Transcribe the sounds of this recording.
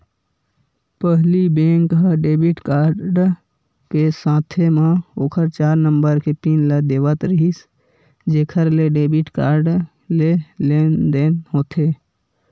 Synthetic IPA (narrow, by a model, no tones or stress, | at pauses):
pəɦlibẽːŋkɦəɖeːbiʈkaːɾɖ | kesãːt̪ʰemãoːkʰəɾt͡ʃaːɾnəmbəɾkepiːnləd̪eːʋət̪ɾəɦis | d͡ʒeːkʰəɾleɖeːbiʈkaːɾɖ | leleːnd̪eːnɦoːt̪ʰeː